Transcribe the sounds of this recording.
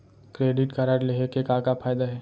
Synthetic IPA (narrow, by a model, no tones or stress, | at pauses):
kɾeːɖɪʈkɐɾaːɾleɦekekakafʰaːjd̪aɦɛː